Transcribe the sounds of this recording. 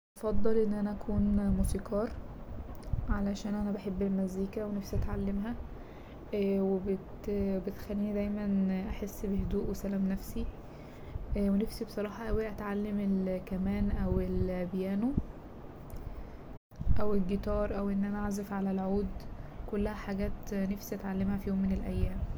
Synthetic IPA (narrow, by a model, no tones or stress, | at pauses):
ʔɑfɑd̪ˤːɑlʔenːʔænæʔækʰuːnmusiːqɑːɾˤ | ʕalæʃæːnʔænæbaħebːelmæziːkæwenæfsiʔæt̪ʕalːemɦæ | webet̪bet̪xælːiːd̪æjmænʔæħesːbehed̪uːʔwesælæːmnæfsi | wenæfsibesˤɑɾˤɑːħɑʔæwiʔæt̪ʕalːemelkæmæːnʔæwelbjæːno | ʔæwelɡet̪ɑːɾˤʔæwʔenːʔænæʕazefʕalælʕuːd̪kolːæhæħaɡæːt̪næfsiʔæt̪ʕalːemhæfijoːmːenelʔæjːæːm